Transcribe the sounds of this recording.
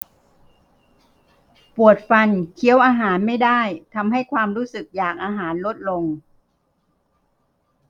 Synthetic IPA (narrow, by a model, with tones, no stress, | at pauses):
pu˨˩ət̪̚fa˧nkʰi˦əwʔaː˧ɦaː˩˦nma˥˩jdaː˥˩jt̪ʰa˧mɦa˥˩jkʰwaː˧mɾuː˦˥sɯ˨˩k̚jaː˨˩k̚ʔaː˧ɦaː˩˦nlo˦˥t̪̚lo˧ŋ